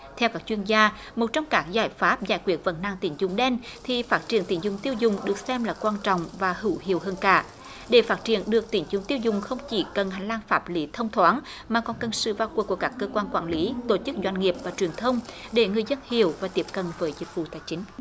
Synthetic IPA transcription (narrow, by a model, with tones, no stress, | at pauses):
t̪ʰɛ˧wkaː˦˥k̚t͡ɕwi˧ənzaː˧ | mo˨˩t̚t͡ɕɔ˧wŋ͡mkaː˦˥k̚zaː˧˩jfaː˦˥p̚za̰ː˧˩jkwi˧˦˩ət̚və̰˧˥nnːa̰ː˧˨ŋt̪ḭ˧˩nzʊ˨˩ŋ͡mɗɛ˧nt̪ʰi˨˩faː˦˥t̚t͡ɕi˧˩ənt̪ḭ˧˩nzʊ˨˩ŋ͡mt̪i˧əwzʊ˨˩ŋ͡mɗɨ˨˩ək̚sɛ˧mlaː˨˩kwaː˧nt͡ɕɔ̰˧˨wŋ͡mvaː˨˩hɨ˧˩whḭ˧˩əwɦəː˧nkaː˧˩˨ | ɗe˧˩faː˦˥t̚t͡ɕḭ˧˩ənɗɨ˨˩ək̚t̪i˧˩˦nzɨ˨˧˦ŋ͡mt̪i˧əwzʊ˨˩ŋ͡mxə˧wŋ͡mt͡ɕi˧˩kə˨˩nha˨˩jŋ̟laː˧nfaː˦˥p̚li˨˦t̪ʰə˧wŋ͡mt̪ʰwaː˨˦n | maː˨˩kɔ˨˩nkə˨˩nsɨ̰˧˨vaː˨˩wku˨˩əku˧˩əkaː˦˥kːəː˧kwaː˧nkwa̰ː˧˩˨nli˨˦t̪o˧˩t͡ɕɨ˦˥k̚zwa˧˩ŋ̟ŋi˨˩əp̚vaː˨˩t͡ɕwi˨˩ənt̪ʰə˧wŋ͡mɗe˧˩ŋɨ˨˩əjzə˧nhi˧˨əwvaː˨˩t̪i˦˥əp̚kə˨nvəː˨˦jzï˨˦nfṵ˧˨˩t̪aː˧˩jt͡ɕï˨˦ŋ̟